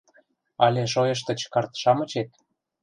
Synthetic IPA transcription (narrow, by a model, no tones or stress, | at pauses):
ɑlʲeʃ̬ojəʃ̬t̪ə̆t͡ɕkɑrt̪ʃɑmə̆t͡ɕet̪̚